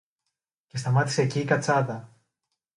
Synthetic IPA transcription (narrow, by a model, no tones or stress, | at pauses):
ce̞st̪ɐmɐt̪i̥se̞ːciːkɐt͡sɐðɐ